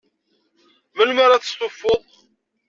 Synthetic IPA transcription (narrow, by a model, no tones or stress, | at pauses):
məlmaɾaθə̥st̪ˤofːoðˤ